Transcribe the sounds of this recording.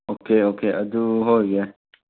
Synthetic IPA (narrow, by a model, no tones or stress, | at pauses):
oːkeːoːkeːʔɐd̪uɦoːjɛ